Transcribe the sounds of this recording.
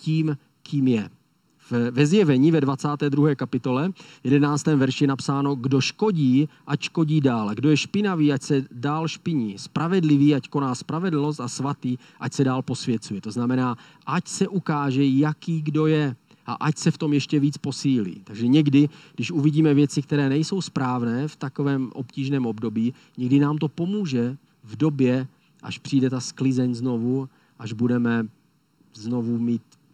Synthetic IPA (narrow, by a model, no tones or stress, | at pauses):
ciːm | kiːmjɛ | vvɛzjɛvɛɲiːvɛdvat͡saːt̪ɛːd̪ɾuɦɛːkapɪt̪o̞lɛjɛdɛnaːt͡st̪ɛːmvɛɾʃɪjɛnapsaːno̞ɡdo̞ʃko̞ɟiːʔacʃko̞ɟiːdaːlaɡdo̞jɛʃpɪnaviːʔacsɛdaːlʃpɪɲiːspɾavɛdlɪviːʔacko̞naːspɾavɛdl̩no̞s̬t̪asvat̪iː | ʔacsɛdaːlpo̞svjɛt͡sujɛt̪o̞znamɛnaː | ʔacsɛʔukaːʒɛjakiːɡdo̞jɛ | ʔa̰ʔacsɛft̪o̞mjɛʃcɛviːt͡spo̞siːlḭːt̪aɡʒɛɲɛɡdɪɡdɪʃʔuviɟiːmɛvjɛt͡sɪk̚t̪ɛɾɛːnɛjso̞wspɾaːvnɛːft̪ako̞vɛːmʔo̞̰pciːʒnɛːmo̞bdo̞biː | ɲɛɡdɪnaːmt̪o̞po̞muːʒɛ | vdo̞bjɛ | ʔa̰ʃpr̥iːdɛt̪asklɪzɛɲzno̞vu | ʔaʒbudɛmɛ | zno̞vumiːt̪